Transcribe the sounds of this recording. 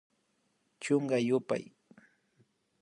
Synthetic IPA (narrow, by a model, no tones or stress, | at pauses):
t͡ʃoŋɢɑjʊpa̰j